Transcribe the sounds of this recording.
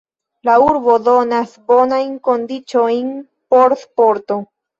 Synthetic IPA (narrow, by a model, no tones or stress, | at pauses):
lauɾbodo̞nasbo̞najnko̞ndit͡ʃo̞jn | po̞ɾspo̞ɾto̞